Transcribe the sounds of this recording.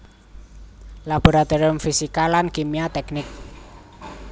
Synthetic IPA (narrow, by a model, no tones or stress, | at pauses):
lab̥oɾat̪oɾiʊmfisikalankimiat̪ɛknɪk̚